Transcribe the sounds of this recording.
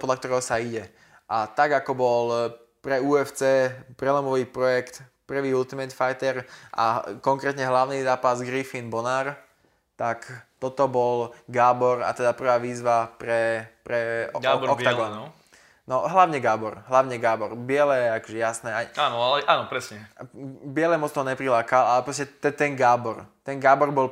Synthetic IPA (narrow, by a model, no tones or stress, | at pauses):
pɔd̪lak̚t̪ɔɾɛɦɔsaiɟɛ | ʔat̪aɡakɔbɔl | pɾɛuːɛft͡sɛːpɾɛlɔmɔʋiːpɾɔjɛkt̪pr̩ʋiːult̪imɛt̪fajt̪ɛɾʔa̰kɔŋkɾɛːt̪ɲɛɦlaʊnizaːpazɡɾifinbɔnaːɾ | t̪akt̪ɔt̪ɔbɔlɡaːbɔɾa̰t̪ɛd̪apr̩ʋaːʋiːzʋapɾɛpɾɛɡaɔkt̪aɡɔn | nɔɦlaʊɲɛɡaːbɔɾɦlaʊɲɛɡaːbɔɾbɪɛlɛɛakɔʒɛjasnɛaaːnɔalɛʔaːnɔpɾɛsɲɛbɪɛlɛmɔt͡st̪ɔɦɔɲɛpɾilaːkalalɛpɾɔscɛt̪ɛt̪ɛnɡaːbɔɾt̪ɛnɡaːbɔɾbɔl